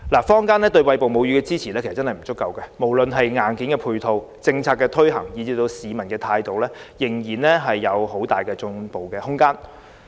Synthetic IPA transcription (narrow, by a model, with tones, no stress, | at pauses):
laː˨˩fɔː˥ŋkaː˥nɛː˥t̪̬ɵ˧ɥwɐ˧jpo˨wmo˨˧wjyː˧kɛː˧t͡siː˥t͡sʰiː˨˩lɛ˥kʰe˨˩s̚t͡sɐ˥hɐ˨˩jm̩˨˩t͡sʊ˥kːɐ˨wkɛ˧mo˨˩wlɵ˨nɦɐ˨jŋaː˨nkiː˨˥nkɛː˧pʰuː˧jt̪ʰo˧w | t͡sɪ˧ŋt͡sʰaː˧t̚kːɛː˧t̪ʰɵ˥ɥɦɐ̰˨˩ŋjiː˨˧t͡siː˧t̪o˧wsiː˨mɐ˨˩nkɛː˧t̪ʰaː˧jt̪o˨wlɛː˥jɪ˨˩ŋjiː˨˩nlɛː˥ɦɐ˨jːɐ˨˧who˨˥wt̪aː˨jkɛː˧t͡sʊ˧ŋpo˨wkɛː˧hʊ˥ŋkaː˥n